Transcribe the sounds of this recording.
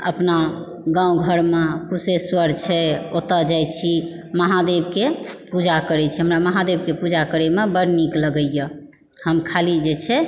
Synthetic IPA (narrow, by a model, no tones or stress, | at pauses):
ə̰pna | ɡãũɡʱəɾmekuseswəɾt͡ʃʰɛot̪əd͡ʒajt͡ʃʰi | məɦad̪ebkepud͡ʒakəɾɛt͡ʃʰɛɦəmɾaməɦad̪eb̚kepud͡ʒakəɾɛmebəɽnikləɡəjə | həmkʰalid͡ʒet͡ʃʰɛ